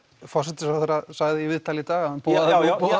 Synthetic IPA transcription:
fɔ̥sɛt̪ɪsawθɛɾasaɣðɪivɪðt̪ʰalɪt̪aːɣaanpuːaðɛpo

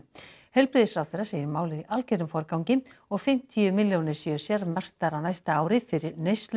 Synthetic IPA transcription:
hɛlpɾɪðsfɾawθejɾrːaseːjɪɾmaːwlɪðiʔalceɾʏmfɔɾkawŋcɪmɔɣfɪm̥t̪ʰiʏmɪljownɪɾ̥sjœsjɛɾmɛr̥t̪aɾawnajst̪aaːwɾɪfɪɾɪɾnejst̪l

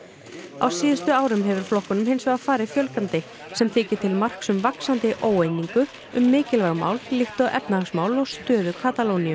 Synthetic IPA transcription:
a̰wsiːðɪst̪ʏaːwɾʏmɦɛvʏɾ̥flɔhkɔnʏmhejnsvɛɣafaːɾɪfjœlkant̪ɪ | sɛmθʰɪːcɪ̥t̪ʰɪlmar̥ksʏmvaksant̪ɪʔoːwejniŋkʏ | ʏmːɪːcɪlvaɣma̰ːwllɪxt̪ɔɣʔɛ̰pnaasmaːwlɔɣst̪œːðʏkʰaːt̪aloːwnijʏm

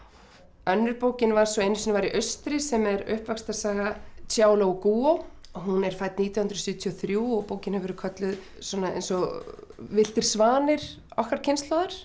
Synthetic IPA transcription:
œnːʏɾpoːwcɪnvaɾ̥sɔejnʏsinvaɾiʔœɥst̪ɾɪsɛmɛɾʏ̰hpvakst̪asaːɣatjaːwlowkuːowɦunɛɾ̥faːjt̪niːt̪jahʏnɾɔsʏðt̪ʰjɔθɾjuːɔɣpoːwcɪnhɛvɛɾʏkʰœt̪lʏð | sɔːnaḛjnsɔ | vɪl̥t̪ɪɾ̥svaːnɪɾ̥ | ɔ̰hkaɾ̥cʰɪnst̪laːðaɾ̥

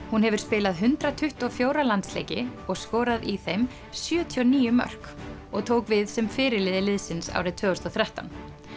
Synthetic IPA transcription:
hunhɛvʏɾ̥spɪːlaðɦʏnt̪ɾat̪ʰʏht̪ɔfjoːwɾalant̪slḛjcɪ̰ɔɣskɔːɾaðiθejm | sjœːt̪ʰiɔniːjʏmœ̰r̥kɔɣt̪ʰoːwkvɪðsɛmfɪːɾɪlɪːðɪlɪðsɪnsa̰ːwɾɪt̪ʰvœːɔst̪ɔθɾɛht̪a̰n

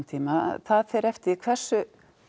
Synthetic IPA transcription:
nt̪ʰiːma̰θaðθɛɾɛft̪ɪkʰv̥ɛr̥sʏ

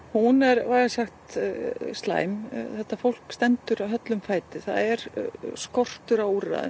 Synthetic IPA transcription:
hunɛɾvaɣasaxt̪st̪la̰ːjmθɛht̪afowl̥kst̪ɛnt̪ʏɾawɦœt̪lʏmfaːjt̪ɪθa̰ðɛɾ̥skɔr̥t̪ʏɾawura̰ðʏ̰m

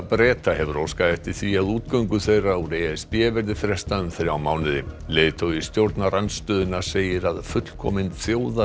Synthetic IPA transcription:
pɾɛːt̪aɦɛvʏɾowskaðɛht̪ɪ̥θviaðuːt̪kœɥŋkʏθejrauɾeɛspjɛːvɛɾðɪfɾɛst̪aʏmθeɾawmaːwnɪðɪleːðt̪ʰowɪst̪jowɾt̪naranst̪œːðʏnḁseːjɪɾaðfʏt̪l̥kʰɔ̰mɪnθjoːwða

